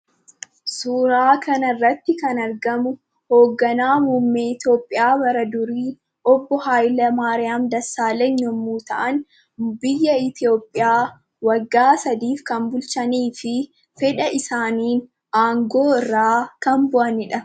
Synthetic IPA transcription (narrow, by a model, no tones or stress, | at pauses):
suːɾaːkʰɐnɐrːɐt̪ːɪkɐnɐɾɡɐmʊ | hoːɡːɐnaːmuːmːe̞ːɪt̪jo̞ːpʼːɪjaːbɐɾɐd̪ʊɾiː | ɔbːɔhaːjlɐmaːɾɪjaːmd̪ɐsːaːleɲːɔmːuːt̪ɐʔɐn | bɪjːɐɪt̪ɪo̞ːpʼːɪjaː | wɐɡːaːsɐd̪iːfkɐmbʊlt͡ʃɐniːfɪ | fɛᶑɐʔɪsaːniːn | aːŋɡoːɪrːaːkɐmbʊʔɐnɪᶑɐ